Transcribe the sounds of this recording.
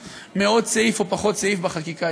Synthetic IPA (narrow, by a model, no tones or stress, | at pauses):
meo̞d̚t͡saifopaχo̞tt͡saifbaχakika